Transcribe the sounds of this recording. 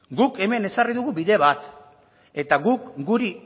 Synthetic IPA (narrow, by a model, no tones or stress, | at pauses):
ɡuke̞me̞ne̞sariðuɣubiðe̞βat̪ | e̞t̪aɣukɡuɾi